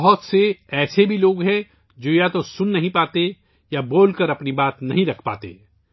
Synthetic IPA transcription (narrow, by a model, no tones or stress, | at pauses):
ɦʊt̪seɛːsebʱiloːɡɦɛ̃ | d͡ʒoːjat̪osʊnːɐɦĩpaːt̪e | jaboːlkəɾɐpnibaːt̪nɐɦĩɾɐkʰpa̰ːt̪ḛː